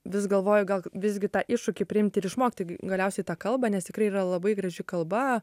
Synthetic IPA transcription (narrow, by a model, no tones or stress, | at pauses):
ʋʲɪsɡɐlˠʋoːjʊɡɐlˠʋʲɪzʲɡʲɪt̪ɑːʔɪʃʊkʲeːpʲɾʲɪɪmʲt̪ʲɪɾɪʃmoːkʲɪt̪oɪɡʲɡɐlʲɛʊsʲɛɪt̪ɑːkɐlˠbɐnʲɛst̪ʲɪkrɐɪirɐlˠɐbɐɪɡɾɐʒʲɪkɐlˠbɐ